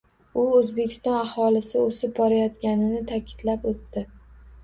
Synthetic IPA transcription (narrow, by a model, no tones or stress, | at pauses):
ʊozbe̞kʲʰɪ̥st̪ɒnahɒlɪsɪosɪp̚bɒɾajɒt̪kʲanɪnɪt̪ʰakʲʰɪ̥d̪̥lapot̪ːɪ